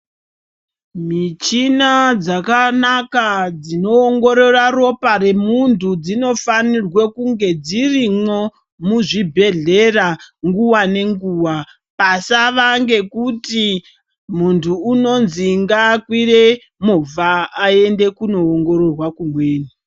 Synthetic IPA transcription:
mit͡ʃinad͡zakanakad͡zino̞ːŋɡo̞ɾo̞raro̞paɾe̞muntʰud͡zino̞fanirwe̞kuŋɡe̞d͡zirimo̞ | muʐibʱe̞ɮe̞raŋɡuwane̞ŋɡuːwa | pasaʋaŋɡe̞kuti | muntʰuːno̞nziŋɡakwire̞ | movaːe̞nde̞kuno̞ːŋɡo̞ɾo̞rwakumwe̞ːni

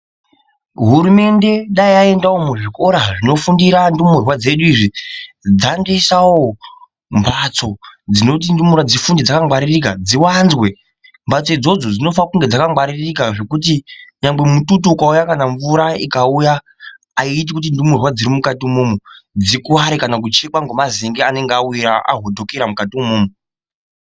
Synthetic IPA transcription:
ɦuɾume̞nde̞ɗaiae̞ndawomuʐiko̞ɾaʐino̞fundiɾandumurwad͡ze̞ɗuiːʐi | d͡zandesawo | mbat͡so̞d͡zino̞t̬indumurwad͡zifundid͡zakaŋwaɾirikad͡ziwanzwe̞ | mbat͡soid͡zo̞d͡zo̞d͡zino̞fakuŋɡe̞d͡zakaŋɡwaɾirikaʐe̞kut̬iɲaŋbe̞mututuukaujakanaɱvuɾaikaujaː | iːt̬ikut̬indumurwad͡ziɾimukatiumumud͡zikuaɾikanak̬ut͡ʃekwaŋɡomaziŋɡeane̞ŋɡeawiɾaa̰ɦo̞dʱo̞keɾamukatiumuːmu

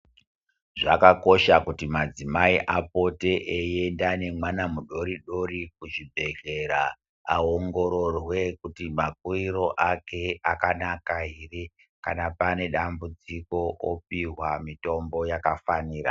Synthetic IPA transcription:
ʐakako̞ʃakutimad͡zimaiʔapo̞te̞ʔejendane̞mwanamuɗo̞ɾiɗo̞rik̚uʐibʱe̞ɮe̞ɾa | aoŋɡo̞ɾo̞rwe̞kutimak̚uiro̞ʔake̞akanakairi | ka̰napane̞ɗambud͡ziko̞ʔopiɦwamito̞mbo̞jakafaniːra̰

